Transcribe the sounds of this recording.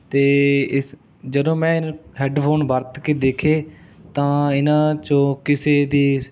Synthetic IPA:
t̪eːɪ | d͡ʒəd̪õːmɛ̃ːɪnɦɛːɖpʰoːnbəɾt̪keːd̪eːkʰeːt̪ãːɪnãːt͡ʃõːkɪseːd̪iː

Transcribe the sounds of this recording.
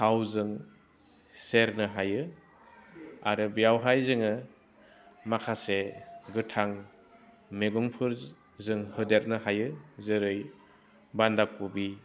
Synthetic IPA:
hawzɯŋ | seɾnɯɦajɯ | aɾɯbijawɦajzɯŋɯ | makʰaseɡɯtʰaŋ | meɡɔŋpʰɯɾ | zɯŋhɯdeɾnɯɦajɯzɯɾɯj | bandakubi

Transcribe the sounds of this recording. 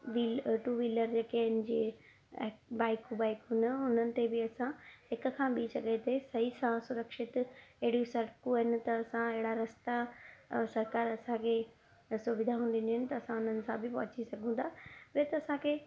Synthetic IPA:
ʋiʈuːʋiːləɾd͡ʑeːkeɪnɪ̆d͡ʑiː | baːɪkubaːɪkɦʊnəʊn̤ənɪ̆t̪ebɪɐsãhɪkʊ̆kʰãːɓiːsɐɡʱet̪ʰesɐɦisãsʊɾəkʃɪt̪ɐɦɪɽijusɐɾkũɐɦɪnɪ̆t̪ɐːsãɪɦɪɽaɾɐst̪asɐɾkaːɾɐsãkʰeː | sʊʋɪd̪ʱaɦũːnd̪ɪnɦɪnɪ̆t̪ɐːsãʊn̤ənɪ̆sãbɪpɐɦʊt͡ɕisɐɡʱũːnd̪aːpɐɾet̪ɐɐsãkʰeː

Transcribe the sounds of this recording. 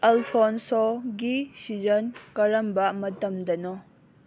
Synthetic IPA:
elpʰɔnsɔɡisizɐnkɐɾɐmbɐmɐtɐmdɐnɔ

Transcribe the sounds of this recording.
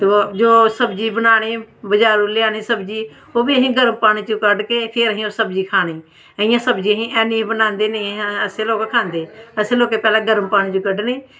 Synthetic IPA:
t̪oːd͡ʒoːsəbd͡ʒiːbənaːɽ̃eːbəd͡ʒaːɾuːlɪaːneːsəbd͡ʒiː | oːbiːəɦĩːɡəɾəmpaːɽ̃iːt͡ʃũːkəɖkeːpʰɪɾɦĩːoːsəbd͡ʒiːkʰaːɽ̃iː | əɪ̃jãːsəbd͡ʒiːəɦĩːʔɛːnĩːbənãːnd̪eːneĩəseːloːkːkʰãːnd̪eːəseːloːkeːpɛːlãːɡəɾəmpaːñĩːt͡ʃũːkəɖneː

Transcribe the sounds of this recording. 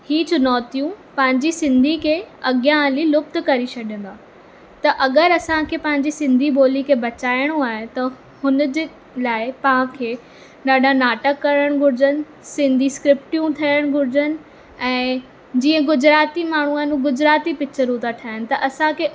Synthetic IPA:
hiːt͡ɕʰʊnɔːt̪ijũpɐ̃ɦɪ̃ɲd͡ʑisɪ̃nd̪ʱikʰeːɐɠjãlilʊf̚t̪kɐɾit͡ɕʰɐɗjə̃n̆d̪aː | t̪ɐʔɐɠəɾɐsãkʰeːpɐ̃ɦɪ̃ɲd͡ʑisɪ̃nd̪ʱiboːlikʰeːbɐt͡ɕaːɪɽ̃ũaːɦet̪ɐ | hʊnd͡ʑ | laːɪpɐ̃ɦãkʰeː | ɗaːɖanaːʈəkːɐɾəɽ̃ɡʱʊɾɪd͡ʑənɪ̆ | sɪ̃nd̪ʱiskɾɪp̚ʈijũt̪ʰijəɽ̃ɡʱʊɾɪd͡ʑənɪ̆ | ɛ̃ː | d͡ʑiːə̃ɡʊd͡ʑɾaːt̪imaːɳ̤uaːɦnuɡʊd͡ʑɾaːt̪ipɪt͡ɕʰəɾut̪aʈʰaːənɪ̆t̪ɐʔɐsãkʰeː

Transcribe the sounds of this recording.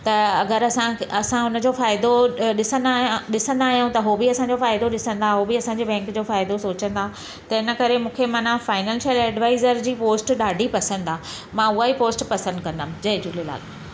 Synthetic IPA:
t̪ɐɐɡəɾɐsãɐsãʊnə̆d͡ʑoːfaːɪd̪oɗɪsə̃nd̪aɗɪsə̃nd̪aːɦijaũt̪ɐɦobiɐsãɲd͡ʑofaːɪd̪oɗɪsə̃nd̪aɦobiɐsãːɲd͡ʑibɛ̃ːŋkd͡ʑoːfaːɪd̪osoːt͡ɕə̃nd̪aː | t̪ɐɪnə̆kɐɾemũːkʰemɐnãfaːɪnə̃ːlʃəlɛːɖʋaːɪzəɾd͡ʑiːpoːsʈɗaːɖʱipɐsə̃nd̪aː | mãːʊaipoːsʈpɐsə̃nd̪̚kɐ̃nd̪əm̃d͡ʑɐɦɪd͡ʑuːlela̰ːl

